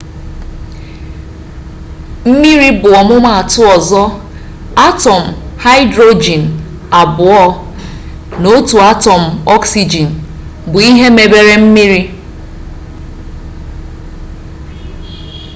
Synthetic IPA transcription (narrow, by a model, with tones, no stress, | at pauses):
m̩˦mi˦ɾi˦bʊ˨ɔ˨mʊ˦ma˦a˨tʊ˦ɔ˨zɔ˦ | a˦tɔ˨m̩˨ha˦ɪ˦dɾo˦d͡ʒi˨n̩˨ | a˨bʊ˨ɔ˦ | no˦tu˨a˦tɔ˨m̩˨ɔ˦ksi˦d͡ʒi˨n̩˨ | bʊ˨i˦ɦe˦me˨be˦˨ɾe˦m̩˦mi˦ɾi˦